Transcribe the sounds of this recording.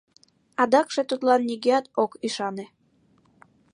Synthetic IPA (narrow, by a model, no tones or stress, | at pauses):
ɑd̪ɑkʃet̪ut̪lɑnːʲiɣeɑt̪okiʃɑnĕ